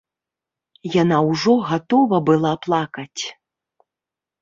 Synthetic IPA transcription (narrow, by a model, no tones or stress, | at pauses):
janawʐɔɣat̪ɔvɐbɨlˠaplˠakɐt͡sʲ